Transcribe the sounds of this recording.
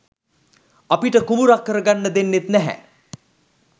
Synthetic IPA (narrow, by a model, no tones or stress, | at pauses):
apiʈəkumuɾakːəɾəɡanːəd̪enːet̪nɛɦɛ̰